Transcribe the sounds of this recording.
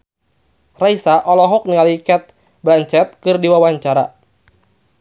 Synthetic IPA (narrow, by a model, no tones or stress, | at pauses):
raisaʔɔlɔɦɔk̚niŋalikɛt̪̚ | blaɲt͡ʃɛt̪̚kɨrdiwawaɲt͡ʃaɾa